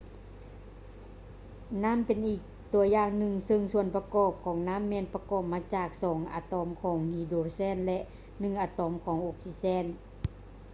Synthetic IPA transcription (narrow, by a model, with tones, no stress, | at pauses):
naː˧˥˨mpe˨nʔiː˨˩k̚t̪u˧˩ɐjaː˧˩ŋnɯ˧˩ŋsɤ˧ŋsu˧˨ənpa˧kɔː˧˩p̚kʰɔː˨˩˦ŋnaː˧˥˨mːɛː˧˥˨npa˧kɔː˨˩p̚maː˧˥˧t͡ɕaː˨˩k̚sɔː˩˦ŋʔa̰ː˨˧˩t̪ɔː˨˧˦mkʰɔː˨˩˦ŋhiː˧˩doː˧˥sɛː˧˥˨nlɛ˧ʔ | nɯ˧˩˨ŋʔaː˨˧˩t̪ɔː˨˩˦mkʰɔː˨˦ŋʔoː˧˩k̚si˧˥sɛː˧˥˨n